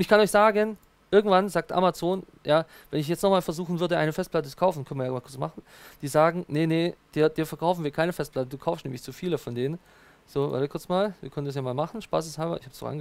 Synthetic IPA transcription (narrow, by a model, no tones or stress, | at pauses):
ʔʊntɪçkʰanɔʏçz̥aːɡən | ʔɪɐɡŋ̩tv̥anzaːk̚tʔa̰mat͡soːn | jaː | vɛnɪçjɛt͡stnɔχmaːlfɛɐzuːxn̩vʏɐdəʔa̰ɪnəfɛst̚plat̬ət͡su̥kʰaʊfn̩kʰœnvɪɐjamaːkʰʊɐt͡ssma̰χn̩ | d̥iːzaːɡŋ̩nənəd̥iːɐd̥iːɐfɛɐkʰaʊfn̩viːɐkʰaɪnəfɛst̚pl̥atəduːkʰaʊfstnɛːmlɪçt͡sufiːləfɔndeːnən | z̥oːva̰ɐtəkʊɐt͡smaːlviːɐkœnəndasjaːmaːlmaχn̩ʃpa̰ːs̬ɪshaːbɐ̰ɪçhab̥sdnɔ̰χʔa̰nɡə